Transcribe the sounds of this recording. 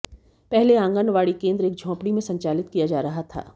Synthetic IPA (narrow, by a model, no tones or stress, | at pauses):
pɛɦleãːŋɡənʋaːɽikẽːnd̪ɾeːk̚d͡ʒʱɔ̃ːpɽimẽsɐ̃ɲt͡ʃaːlɪt̪kijad͡ʒaːɾɐɦat̪ʰa̰ː